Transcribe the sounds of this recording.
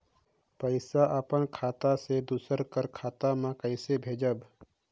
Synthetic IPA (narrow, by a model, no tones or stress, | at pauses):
pəɪsaʔəpənkʰaːt̪ased̪usəɾkəɾkʰaːt̪amãkəɪsebʱeːd͡ʒəb